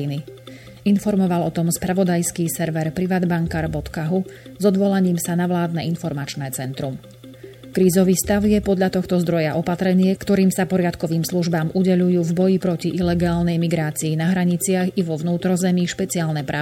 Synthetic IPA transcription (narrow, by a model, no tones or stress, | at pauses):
ini | infɔɾmɔʋalɔt̪ɔmspɾaʋɔd̪ajskiːsɛɾʋɛɾpɾiʋaːd̪baŋkaːɾbɔt̪kaɦuzɔd̪ʋɔlaɲiːmsanaʋlaːd̪̚nɛinfɔɾmat͡ʃnɛːt͡sɛnt̪ɾum | kɾiːzɔʋiːst̪aʊjɛpɔd̪ʎat̪ɔxt̪ɔzd̪ɾɔjaʔɔpat̪ɾɛɲɪɛkt̪ɔɾiːmsapɔɾɪat̪kɔʋiːmsluʒbaːmʔuɟɛʎujuːvbɔjipɾɔciʔilɛɡaːlnɛjmiɡɾaːt͡siːnaɦɾaɲit͡sɪaɣiʋɔʋnuːt̪ɾɔzɛmiʃpɛt͡siaːlnɛpɾaː